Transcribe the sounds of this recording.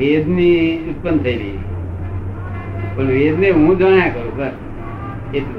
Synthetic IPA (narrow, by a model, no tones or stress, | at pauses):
ed̪niut̪̚pənt̪ʰəiɾəɦi | pəɳʋed̪neɦũd͡ʒəɳ̃jãkəɾũkəɾ | e